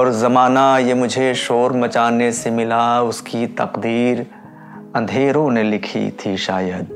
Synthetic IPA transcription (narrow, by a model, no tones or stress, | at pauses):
ɔːɾzɐmaːnajemʊd͡ʒʱeʃoːɾmɐt͡ʃaːnesemɪlaʊskit̪ɐ̰qd̪iːɾ | ɐ̃nd̪ʱeːɾõnelɪkʰḭt̪ʰiʃaːjəd̪̚